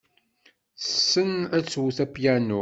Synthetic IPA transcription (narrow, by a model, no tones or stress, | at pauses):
θsːənæt͡sːwuθæpjænu